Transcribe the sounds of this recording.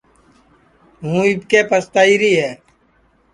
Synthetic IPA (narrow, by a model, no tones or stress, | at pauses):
ɦũːibkeːpəst̪aːiːɾiːɦɛː